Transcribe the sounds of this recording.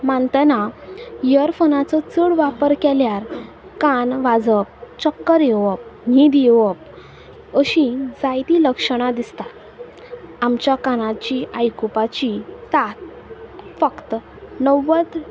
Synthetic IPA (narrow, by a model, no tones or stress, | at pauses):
mãnt̪ənajəɾfənat͡sɔt͡səɽʋapəɾkɛljaɾ | kanʋad͡zəp̚t͡ɕɔkːəɾjeʋəp̚ɦĩd̪eʋəp̚ | əɕĩd͡zajt̪iləkʂəɽ̃ad̪ist̪a | amt͡ɕjakanat͡ɕiajkupat͡ɕisat̪̚ | fəkt̪ | nəʋːət̪